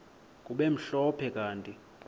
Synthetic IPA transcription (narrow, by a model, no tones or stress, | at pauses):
kʼuɓem̩ɬɔpʰɛkʼaːntʼi